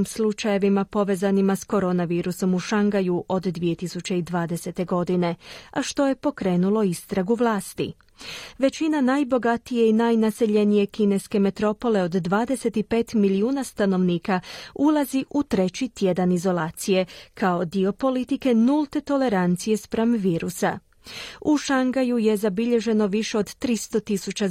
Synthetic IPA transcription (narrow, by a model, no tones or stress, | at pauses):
imslˠut͡ʃaje̞ʋimapo̞ʋe̞ːzanimasko̞ɾo̞naʋiːɾuso̞muʃaŋɡajuʔo̞d̪ːʋije̞t̪isut͡ɕe̞id̪ʋaːd̪e̞se̞t̪e̞ɡo̞d̪ine̞aʃt̪o̞je̞po̞kɾe̞ːnulˠo̞ist̪ɾaɡuʋlˠaːst̪ḭ | ʋe̞t͡ɕinanajbo̞ɡat̪ije̞inajnase̞ʎe̞nije̞kine̞ske̞me̞t̪ɾo̞po̞le̞o̞d̪ːʋaːd̪e̞se̞t̪ipe̞ːt̪miliuːnast̪ano̞ʋniːkaulˠaziʔut̪ɾe̞t͡ɕit̪je̞d̪anizo̞lˠaːt̪sije̞kʰao̞d̪io̞po̞lit̪ike̞nulˠt̪e̞t̪o̞le̞ɾant̪sije̞spɾamʋiːɾusa̰ | uʃaŋɡajuje̞zabiʎe̞ʒe̞no̞ʋiʃeo̞d̪t̪ɾist̪o̞t̪isut͡ɕa